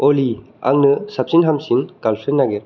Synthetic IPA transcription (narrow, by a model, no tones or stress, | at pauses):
ɔli | a̰ŋnɯsap̚sinɦamsinkalsɯnːaɡeɾ